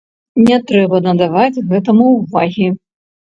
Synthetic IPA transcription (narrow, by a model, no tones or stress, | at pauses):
nʲɛt̪ɾɛbɐnɐd̪avad͡zʲɣɛt̪ɐmuvaɣʲi